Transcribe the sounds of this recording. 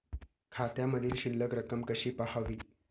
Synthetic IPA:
kʰat̪jaməd̪ʱiːlɕilːəkɾəkəmkəɕiːpahaʋiː

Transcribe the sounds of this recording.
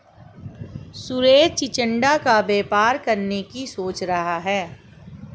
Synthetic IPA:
suɾeːd͡ʒt͡ʃɪt͡ʃə̃ɳɖakabeːpaːɾkɐɾnekisoːt͡ʃɾɐɦaɦɛː

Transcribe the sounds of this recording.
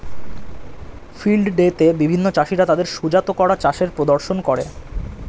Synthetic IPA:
filɖɖet̪ebibʱinːot͡ɕaʃiɾat̪ad̪eɾʃud͡ʑat̪okɔɾat͡ɕaʃeɾpɾod̪oɾʃonkɔɾe

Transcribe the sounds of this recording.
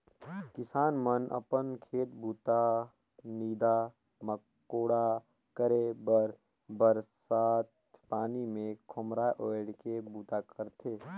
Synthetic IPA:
kɪsaːnmənʔə̰pənkʰeːt̪bʱuːt̪a | niːd̪a | məkː | oːɽa | kəɾebəɾ | bəɾsaːt̪ | paːnimẽkʰʊmɾaːʔoːeɽkebuːt̪akʰəɾt̪ʰeː

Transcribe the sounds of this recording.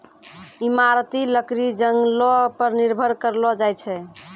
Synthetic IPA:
imaɾt̪iləkɾid͡ʒəŋɡlɔpəɾniɾbʱəɾkəɾlɔd͡ʒajt͡ʃʰɛ

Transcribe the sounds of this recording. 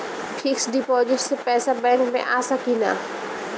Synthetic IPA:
pʰɪksɖɪpɔːzɪʈsepɛːsabɛ̃ːŋkmḛ̃ʔaːsɐkina̰ː

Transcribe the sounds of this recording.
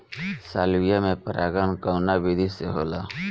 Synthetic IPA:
saːlwijamẽpəɾʔaːɡankəʊnabid̪ʱiseɦoːlaː

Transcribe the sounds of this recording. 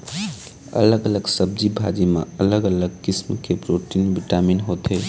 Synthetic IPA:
ə̰ləɡələɡsəb̚d͡ʒibʱa̰d͡ʒimḛ̃ələɡələɡkismkepɾoʈinbiʈaminɦot̪ɦe

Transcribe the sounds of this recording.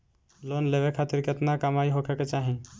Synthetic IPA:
lonleʋekʰat̪ɪɾkeət̪nakəmaiɦokʰeket͡ʃaɦĩ

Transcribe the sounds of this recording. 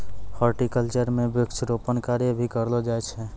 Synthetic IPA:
hɔɾʈikəlt͡ʃəɾmebjʊkt͡ʃʰɾopənkaɾjəbʱikəɾlɔd͡ʒajt͡ʃʰɛ

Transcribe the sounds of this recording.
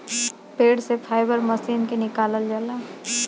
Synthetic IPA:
peːɽsepʰaːɪbəɾməsiːnkenɪkaːləld͡ʒəlaː

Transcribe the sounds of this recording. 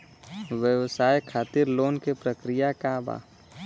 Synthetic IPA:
ʋjəwsaːjkʰaːt̪iɾloːnkepɾəkɾijakaba̰ː

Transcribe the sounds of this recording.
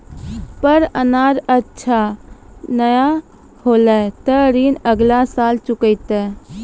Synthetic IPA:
pəɾənaːɾətːʃʰa | nəja | hoːlat̪əɾiːnəɡlasaːlt͡ʃʊkəɪt̪ɛ

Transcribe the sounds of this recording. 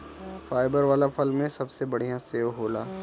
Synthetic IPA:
faːɪbəɾʋaːlapʰɐlmẽsɐbsebɐɽ̤ijãseːoɦoːlaː

